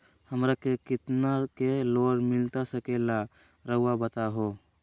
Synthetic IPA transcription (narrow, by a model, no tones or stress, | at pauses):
həmɾakekɪt̪nakeloɾmɪlt̪asəkela | ɾəɦuwabət̪aɦo